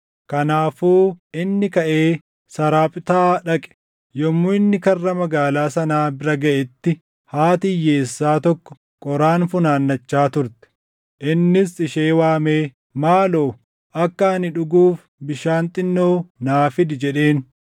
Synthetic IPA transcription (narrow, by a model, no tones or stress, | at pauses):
kɐnaːfuːʔɪnːɪkɐʔe̞ː | sɐɾaːpʼɪt̪aːᶑɐkʼɛ̥ | jɔmːuːɪnːɪkɐrːɐmɐɡaːlaːsɐnaːbɪɾɐɡɐʔɛt̪ːɪ | haːt̪ɪjːe̞ːsːaːt̪ɔkːɔ̥ | kʼɔɾaːnfʊnaːnːɐt͡ʃːaːt̪ʊɾt̪ɛ̥ | ʔɪnːɪsɪʃeːwaːmeː | maːlo̞ː | ʔɐkːɐɐnɪᶑʊɡuːf | bɪʃaːnt̪ʼɪnːo̞ːnaːfɪd̪ɪd͡ʒɛᶑe̞ːn